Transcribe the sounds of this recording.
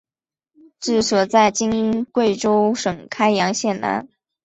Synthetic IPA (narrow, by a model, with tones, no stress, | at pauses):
ʈ͡ʂɻ̩˥˩swɔ˨˩t͡sa˥˩ɪt͡ɕi˥ŋkwe˥˩ɪʈ͡ʂo˥ʊʂɤ˨˩ŋkʰa˥ɪjɑ˧˥ŋɕjɛ˥˩nna̰˧˥n